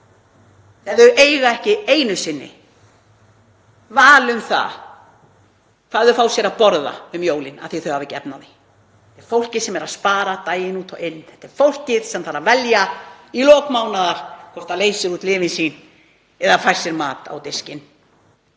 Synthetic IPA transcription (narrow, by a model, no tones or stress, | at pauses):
θɛðʏʔejɣaɛhcɪeːjnʏsɪnːɪ̰ | vaːlʏmθa̰ | kʰvaːðʏfawsjɛɾapɔɾða̰ʏmjoːwlɪna̰ðθiθœʏɥhavɪcɛ̰pnaði | ɛt̪ɛɾfowl̥cɪðsɛmɛɾaðspaːɾat̪aːjɪnuːt̪ʰɔɣɪnːθɛt̪ɛɾ̥fowl̥cɪðsɛmθaɾavɛljailɔːkmawnaðaɾ̥kʰɔr̥t̪aleːjsɪɾuːt̪lɪːvɪnsiːn | ɛðafajr̥sɛɾmaːt̪a̰wt̪ɪscɪn